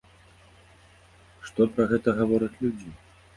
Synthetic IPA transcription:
ʂt̪ɔpɾɐɣɛt̪ɐɣavɔɾɐt͡sʲlʲud͡zʲi

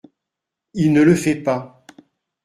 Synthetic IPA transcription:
ilnələfɛpa

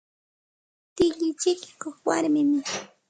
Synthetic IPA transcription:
t̪ɪʎɪt͡ʃɪkɪ̥koχwaɾmɪmɪ

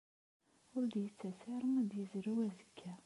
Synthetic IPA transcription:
ʊɾd̪jət͡sːæsɪɾˤəmæd̪jəzɾuwæzəkʰːæ

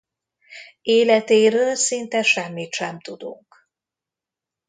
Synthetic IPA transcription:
eːlɛt̪eːɾøːlsint̪ɛʃɛmːit̪ʃɛmt̪ud̪ṵŋk

